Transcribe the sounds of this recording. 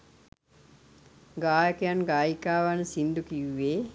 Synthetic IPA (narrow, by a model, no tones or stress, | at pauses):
ɡaːjəkejanɡaːjikaːʋansind̪ukiʋːeː